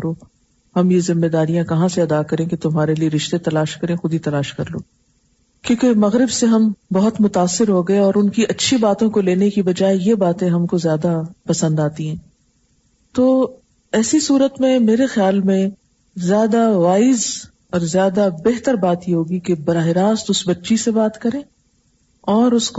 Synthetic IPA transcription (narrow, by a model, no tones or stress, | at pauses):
ɾoː | hɐmjezɪmːed̪aːɾijãkɐɦãseɐd̪akɐɾẽket̪ʊmɦaːɾelieɾɪʃt̪et̪ɐlaːʃkɐɾẽxʊd̪it̪ɐlaːʃkɐɾlo̰ː | kjõːkemɐɣɾɪbseɦɐmbɐɦʊt̪mʊt̪aːsːɪɾɦoɡɐeɔːɾʊnkiʔɐtːʃʰibaːt̪õkoleːnekibɐd͡ʒaːejebaːt̪ẽɦɐmkozjaːd̪apɐsə̃nd̪aːt̪iɦɛ̃ː | t̪oː | ɛːsisuːɾət̪mẽmeːɾexejaːlmẽ | zjaːd̪aʋaːɪz | ɔːɾzjaːd̪abeɦt̪əɾbaːt̪jeɦoːɡikebɐɾaːɦɪɾaːst̪ʊsbɐtːʃisebaːt̪kɐɾẽː | ɔːɾʊsk